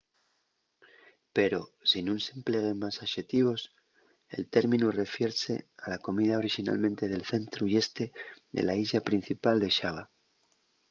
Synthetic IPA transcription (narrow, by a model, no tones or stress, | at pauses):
pe̞ɾo̞sinunse̞mple̞ɣ̞e̞masaʃe̞t̪iβ̞o̞s | e̞̰lt̪e̞ɾmĩnure̞fje̞ɾse̞alako̞miðao̞ɾixina̰lmẽ̞nt̪e̞ð̞e̞lθe̞nt̪ɾuie̞st̪e̞ðe̞̰laiʝapɾinθipald̪e̞ʃaβa